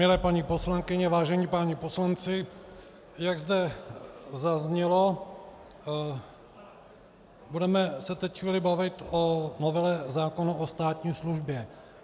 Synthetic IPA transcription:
mɪlɛːpaɲipo̞slaŋkɪɲɛvaːʒɛɲipaːɲipo̞slant͡sɪ | jaɡzd̪ɛ | zazɲɛlo̞ | budɛmɛsɛt̪ɛcxviːlɪbavɪt̪onovɛlɛzaːkonaʔost̪aːt̪ɲiːsluʒbjɛ

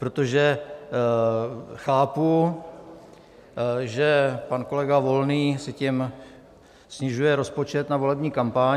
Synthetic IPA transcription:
pɾot̪o̞ʒɛ | xaːpu | ʒɛpanko̞lɛɡavo̞lniːsɪcɪm | sɲɪʒujɛɾo̞spot͡ʃɛt̪navo̞lɛbɲiːkampa

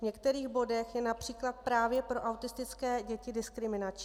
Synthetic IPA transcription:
vɲɛkt̪ɛɾiːɣbo̞dɛxjɛnapr̝̥iːklat̪̚pɾaːvjɛpɾo̞ʔawt̪ɪst̪ɪt͡skɛːɟɛcɪdɪskɾɪmɪnat͡ʃ

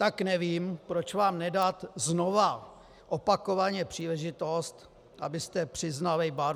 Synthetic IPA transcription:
t̪aknɛviːmpɾo̞t͡ʃvaːmnɛdat̪zno̞va | ʔopako̞vaɲɛpr̝̥iːlɛʒɪt̪o̞st̪ | ʔabɪst̪ɛpr̝̥ɪznalɛbaɾ

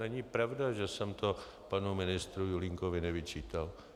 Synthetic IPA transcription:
nɛɲɪpɾavdaʒɛsɛmt̪o | panumɪnɪst̪ɾujulɪŋkovɪnɛvɪt͡ʃiːt̪al

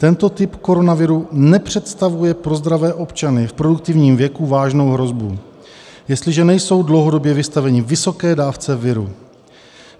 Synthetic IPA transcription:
t̪ɛnt̪o̞t̪ɪpko̞ɾo̞navɪɾunɛpr̝̥ɛt̪st̪avujɛpɾo̞zd̪ɾavɛːʔo̞pt͡ʃanɪfpɾo̞duk̚t̪ɪvɲiːmvjɛkuvaːʒno̞wɦɾo̞zbṵ | jɛst̪lɪʒɛnɛjso̞wdlowɦo̞do̞bjɛvɪst̪avɛɲɪvɪso̞kɛːdaːft͡sɛvɪɾṵ

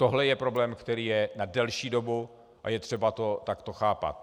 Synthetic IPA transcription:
t̪o̞ɦlɛjɛpɾo̞blɛːmkt̪ɛɾiːjɛnadɛlʃiːdo̞bu | ʔa̰jɛt̪r̥ɛbat̪o̞t̪akt̪oxaːpa̰t̪̚

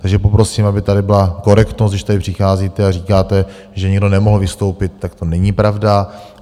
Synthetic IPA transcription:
t̪aɡʒɛpopɾo̞siːmabɪt̪adɪbɪlako̞ɾɛkt̪nost̪dɪʃt̪adɪpr̥ɪxaːziːt̪ɛariːkaːt̪ɛ | ʒɛɲɛɡdonɛmoɦl̩vɪst̪o̞wpɪt̪̚ːak̚t̪o̞nɛɲipɾavda

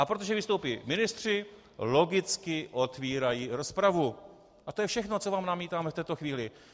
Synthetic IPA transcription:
ʔapɾo̞t̪o̞ʒɛvɪst̪owpiːmɪnɪst̪r̝̥ɪ | lo̞ɡɪt͡skɪʔo̞t̪viːɾajiɾo̞spɾavu | ʔat̪ojɛfʃɛxno̞t͡so̞vaːmnamiːt̪aːmɛft̪ɛːt̪o̞xviːlɪ

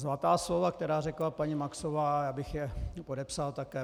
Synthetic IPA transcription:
zlat̪aːslovakt̪ɛɾaːrɛklapaɲimaksovaːjaːbɪxjɛpodɛpsalt̪akɛː

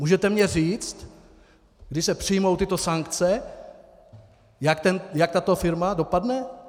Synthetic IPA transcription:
muːʒɛt̪ɛmɲɛriːt͡st̪ | ɡdɪʃsɛpr̥ɪjmo̞wt̪ɪt̪o̞saŋkt͡sɛ | jakt̪ɛnjak̚t̪at̪o̞fɪɾmado̞padnɛ

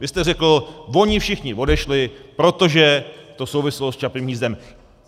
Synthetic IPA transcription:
vɪst̪ɛrɛkl̩vo̞ɲɪfʃɪxɲɪvo̞dɛʃlɪpɾo̞t̪o̞ʒɛt̪o̞so̞wvɪsɛlost͡ʃapɪmiːzdɛm

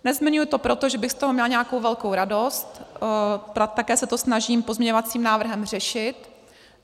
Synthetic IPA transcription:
nɛzmɪɲujt̪o̞pɾot̪oʒɛbɪxst̪o̞ɦomɲɛlɲɛako̞wvɛlko̞wɾado̞st̪ | at̪akɛːsɛt̪o̞snaʒiːmpo̞zmɲɛɲovat͡siːmnaːvr̩ɦɛmr̝ɛʃɪt̪

